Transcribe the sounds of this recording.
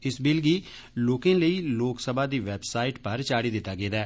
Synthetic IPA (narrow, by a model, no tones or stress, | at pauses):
ɪsbɪlɡiː | loːkẽːləiːloːksəbaːd̪iːʋɛːbsaːiːʈpəɾt͡ʃaːɽiːd̪ɪt̪ːaːɡeːd̪ɛː